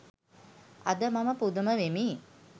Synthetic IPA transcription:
ad̪əmaməpud̪uməʋemiː

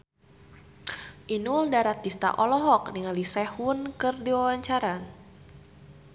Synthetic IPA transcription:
ʔinuldaɾat̪ist̪a̰ʔɔlɔɦɔk̚niŋalisɛhunkɨrdiwawaɲt͡ʃaɾan

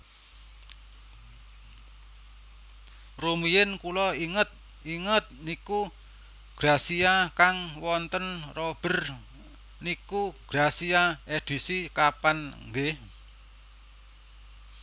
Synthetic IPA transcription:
rumijɪnkulɔiŋət̪̚ | iŋət̪̚niku | ɡ̥ɾasiakaŋwɔnt̪ənrɔb̥ə̤r | nikuɡ̥ɾasiaed̪̥i̤sikapanŋɡe

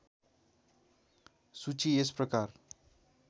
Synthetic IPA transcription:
sut͡siesprʌkar

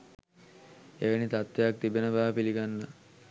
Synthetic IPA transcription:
eʋənit̪at̪ʋejak̚t̪ibenəbaɦapiliɡanːə

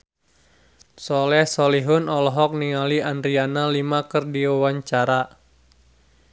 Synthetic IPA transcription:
sɔlɛhsɔliɦʊnɔlɔɦɔk̚niŋaliandɾianalimakərdiawaɲt͡ʃaɾa

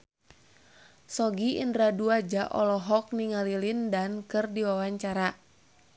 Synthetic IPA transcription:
sɔɡiʔḭndɾaduad͡ʒaʔɔ̰lɔɦɔk̚niŋalilindankɨrdiwawaɲt͡ʃaɾa

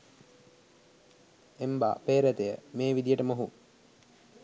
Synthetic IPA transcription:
emba̰ːpeːɾət̪ejəmeːʋid̪ijəʈəmoɦu

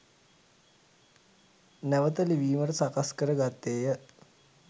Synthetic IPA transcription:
nɛʋət̪əliʋiːməɾsakaskəɾəɡat̪eːjə

